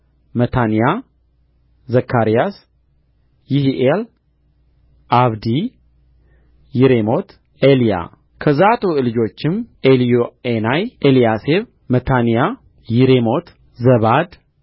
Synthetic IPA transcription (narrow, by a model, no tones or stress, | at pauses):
mət̪ʰanija | zəkʰːaɾijas | jɪhiʔel | ʔaβd̪i | jiɾemo̞t̪ | elija̰ | kʰəzat̪ʼolɨd͡ʒo̞t͡ʃːɪmelijoenajʔelijaseβ | mət̪ʰanija | jɪɾemo̞t̪ | zəβad̪